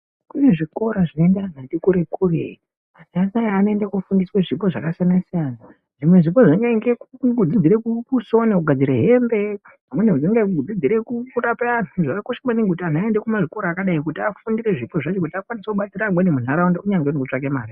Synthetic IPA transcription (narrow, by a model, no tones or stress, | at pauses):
kuneʐiko̞ɾaʐinendaan̤andikuɾe̞kurḛi | asiasinajaano̞endakufundisweʐipo̞ʐakasianasijana | ʐimwe̞ʐipo̞ʐiŋɡeeŋɡekɡʱud͡zid͡ziɾekuuso̞neuɡʱad͡ziɾeɦe̞mbe̞ | pamweneud͡ziŋɡeuɡʱud͡zid͡ziɾe̞kukuɾapeanuʐaakoʃamaniŋɡkutian̤aendekumaʐiko̞ɾakaɗaikutiafundiɾe̞ʐipo̞ʐat͡ʃokutiakwanisekuɓat͡siɾamwenemun̤aɾaundouɲaŋɡeunekut͡ʂak̬emaːɾi